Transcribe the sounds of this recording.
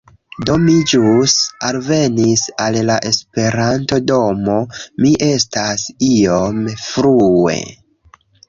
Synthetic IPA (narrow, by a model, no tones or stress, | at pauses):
do̞mid͡ʒusalve̞nisallaʔe̞spe̞ɾanto̞do̞mo̞miʔe̞stasio̞mfɾue̞̰